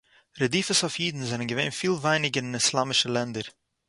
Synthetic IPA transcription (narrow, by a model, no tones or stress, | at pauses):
ɾədiːfəsafjiːdn̩zɛnənɡəveɪnfiːlˠvaɪnɪɡəɾɪnɪslˠamɪʃəlˠɛndəɾ